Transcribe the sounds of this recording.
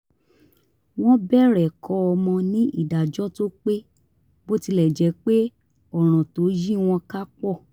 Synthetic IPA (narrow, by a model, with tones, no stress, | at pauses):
w̃ɔ̃˦bɛ˦˨ɾɛ˨kʰɔ˧˦ɔ˧mɔ̃˧nĩ˦ʔi˦˨da˨d͡ʒɔ˦to˦k͡pe˦ | bo˦ti˧lɛ˦˨d͡ʒɛ˨˧˦k͡pe˦ | ɔ˦˨ɾ̃ɔ̃˨to˨˦d͡ʒi˦w̃ɔ̃˧ka˦k͡pɔ˦˨